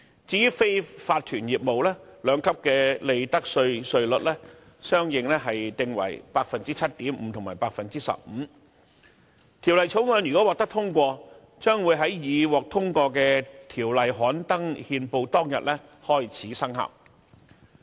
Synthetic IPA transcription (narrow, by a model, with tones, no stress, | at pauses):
t͡siː˨˧jyː˥fe˥jfaː˧t̚t̪ʰyː˨˩njiː˨p̚mo˨wlɛː˥lœː˨˧ŋkʰɐ˥p̚kɛː˧le˨˧jt̪ɐ˥k̚sɵ˧ɥsɵ˧ɥlɵ˨t̚lɛː˥ | sœː˥ŋjɪ˨ŋlɛ˥ɦɐ˨jt̪ɪ˨˧ŋwɐ̰˨˩jpaː˧k̚fɐ˨nt͡siː˥t͡sʰɐ˥t̚t̪iː˨˥mm̩ː˨˧t̪ʰʊ˨ŋmaː˨˩paː˧k̚fɐ˨nt͡siː˥sɐ̰˨p̚m̩ː˨˧ | t̪ʰi˨˩wlɐ˨˩jt͡sʰo˨˥wŋœː˨˧njy˨˩kɔː˨˥wɔː˨k̚t̪ɐ˥k̚t̪ʰʊ˥ŋkʷɔː˧ | t͡sœː˥ŋwuː˨˧jɦɐ˨˥jjiː˨˧wɔː˨k̚t̪ʰʊ˥ŋkʷɔː˧kɛː˧t̪ʰiː˨˩wlɐ˨jɦɔː˨˥nt̪ɐ˥ŋhiː˧npo˧wt̪ɔː˥ŋjɐ̰˨t̚lɛ˥hɔː˥jt͡sʰiː˨˥sɐ˥ŋhɐ̰˨˩p̚